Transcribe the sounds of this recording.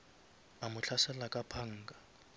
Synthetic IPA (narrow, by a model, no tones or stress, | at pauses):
amʊt͡ɬʰasɛlakʼapʰaŋ̩ːkʼa